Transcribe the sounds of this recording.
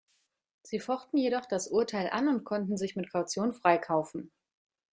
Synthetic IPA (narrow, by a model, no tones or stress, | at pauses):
z̥iːfɔχtn̩jeɾɔχd̥asʔuɐtʰaɪlʔa̰nʊntkʰɔntn̩zɪçmɪtkʰaʊt͡sjoːnfʁ̥aɪkʰaʊfn̩